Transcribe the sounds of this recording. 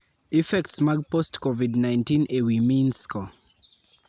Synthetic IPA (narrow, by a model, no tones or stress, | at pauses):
ifɛktsmaɡpɔstkɔvidnãj̃ntĩnewimĩnskɔ